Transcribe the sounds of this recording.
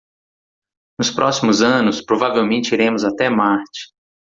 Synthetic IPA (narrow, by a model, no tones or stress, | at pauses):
nʊspɾʔɔsimʊzɐ̃nʊspɾovavewmẽnt͡ʃɪiɾẽmʊzat̪ɛmaɾt͡ʃɪ̥